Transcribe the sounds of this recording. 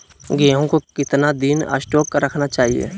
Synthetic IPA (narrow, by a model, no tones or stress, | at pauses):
ɡẽːɦõkokɪt̪nad̪ɪnɐ̰sʈoːkːɾɐkʰnat͡ʃaːɦiḛː